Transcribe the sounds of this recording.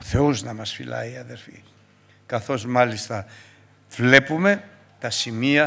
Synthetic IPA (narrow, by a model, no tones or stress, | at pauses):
θeuznamasfḭla̰jaðeɾfḭ | kaθozmalist̪a | flepume | t̪asimia